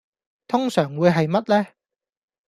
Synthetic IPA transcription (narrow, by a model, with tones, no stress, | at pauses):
t̪ʰʊ˥ŋsœː˨˩ŋwuː˨˧jɦɐ˨jmɐ˥t̚lɛː˥